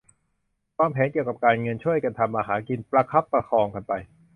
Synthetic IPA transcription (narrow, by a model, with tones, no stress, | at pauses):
waː˧˩mpʰɛː˩˦nki˨˩əwka˨˩p̚kaː˧nŋɤ˧nt͡ɕʰu˥˩əjka˧nt̪ʰa˧mːaː˧ɦaː˩˦nki˧npɾa˧kʰa˦˥pːɾa˧kʰɔː˧ŋka˧npa˧j